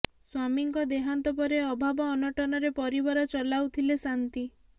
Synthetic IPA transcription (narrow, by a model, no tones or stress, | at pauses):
swamiŋkɔd̪eɦant̪ɔpɔɾeɔbʱabɔːnɔʈɔnɔɾepɔɾibaɾɔt͡ʃɔlawt̪ʰilesant̪i